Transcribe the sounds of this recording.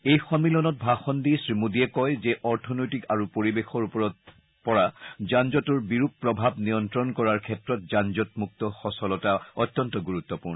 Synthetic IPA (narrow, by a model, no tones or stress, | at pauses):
ejxɔmːilɔnɔt̚bʱaxɔndisɹimudiɛkɔjzɛʔɔɹtʰɔnɔjtikaɹupoɹibexɔɹupɔɹɔt̚ | pɔɹazand͡ʒɔtuɹbiɹup̚pɹɔbʱabnijɔntɹɔnkɔɹaɹkʰɛtɹɔt̚zand͡ʒɔtmuk̚tɔxɔsɔlɔtaɔtːɔntɔɡuɹut̪ːɔpuɹnɔ